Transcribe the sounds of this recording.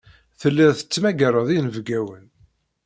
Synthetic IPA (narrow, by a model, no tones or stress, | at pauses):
θəlːiðθə̥t͡sːmæɡəɾˤəðˤinəvɡæwən